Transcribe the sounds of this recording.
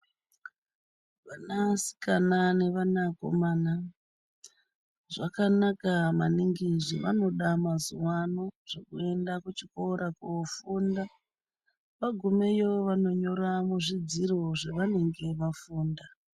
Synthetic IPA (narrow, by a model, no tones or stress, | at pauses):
ʋanasi̥kanane̞ʋanako̰maːna | ʐakanakamaniŋɡiʐḭʋa̰no̞ɗamazuwanoʐ̥ekue̞ndakut͡ʃikoɾakofuːnda | ʋaɡʱume̞joʋano̞ɲo̞ɾamuʐid͡ziɾoʐeʋane̞ŋɡe̞ʋafuːnda